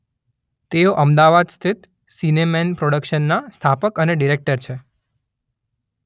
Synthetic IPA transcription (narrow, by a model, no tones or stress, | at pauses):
t̪eoʔəmd̪aʋad̪st̪ʰit̪ | sinemɛnpɾoɽəkʃənːast̪ʰapəkəneɖiɾek̚ʈəɾt͡ʃʰe